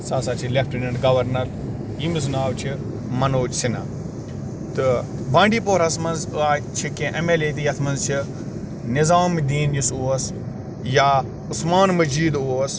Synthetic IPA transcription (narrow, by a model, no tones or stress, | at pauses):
saːsaːt͡ʃʰilep̚ʰʈinɐɳɖɡɐʋɐɾnɐɾ | imiz̬naːwt͡ʃʰi | mɐnoːd͡ʒsina̰ː | t̪ɨbãːɳɖiːpoːɾɐsmɐnzaːt͡ʃʰikẽːʔɐmeːleːt̪̬ijɐt̪ʰmɐnzt͡ʃʰi | nɪzaːmd̪iːnjisuɐs | jaː | ʊsmaːnmɐd͡ʒiːd̪uːɐs